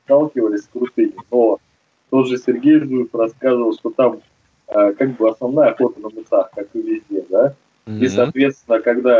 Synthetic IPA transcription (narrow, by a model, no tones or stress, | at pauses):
t̪alˠkʲɪvəlʲɪsʲkɾʊt̪ɨnʲɪno | t̪od̪ʐɨsʲɪrɡʲejvzufɾɐskazɨvəlˠʂt̪o̞t̪am | əkaɡ̚bɨɐsnɐvnajəɐxo̞t̪ənəmɨsaxkakɨvʲɪzʲdʲed̪a | isɐːt̪vʲet̪st̪ʲɪnəkɐɡd̪a